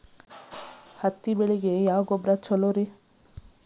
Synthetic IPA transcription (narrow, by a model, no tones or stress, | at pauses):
hɐt̪ːibeɭiɡejaːɡɔbɾɐt͡ʃɔloɾi